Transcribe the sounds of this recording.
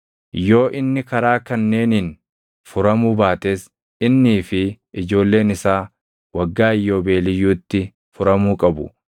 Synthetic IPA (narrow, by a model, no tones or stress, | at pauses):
jo̞ːʔɪnːɪkɐɾaːkɐnːe̞ːnɪn | fʊɾɐmuːbaːt̪eːs | ɪnːiːfɪ | ɪd͡ʒo̞ːlːe̞ːnɪsaː | wɐɡːaːɪjːo̞ːbe̞ːlɪjːuːt̪ːɪ | fʊɾɐmuːkʼɐbʊ̰